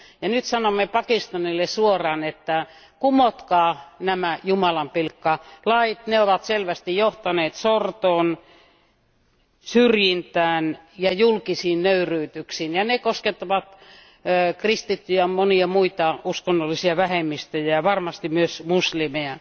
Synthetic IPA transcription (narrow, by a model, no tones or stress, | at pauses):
jɑnyt̪sɑnomːepɑkist̪ɑnilːesuorɑːnet̪ːæ | kumot̪kɑːnæmæjumɑlɑmpilkːɑlɑit̪neoʋɑt̪selʋæst̪ijoht̪ɑneːt̪sort̪oːn | syrjint̪æːnjɑjulkisiːnnøyryːt̪yksiːnjɑnekosket̪ːɑʋɑt̪ː | krist̪it̪ːyjæmoniɑmuit̪ɑuskonːolːisiɑʋæhemːist̪øjæjɑʋɑrmɑst̪imyøsmuslimeæ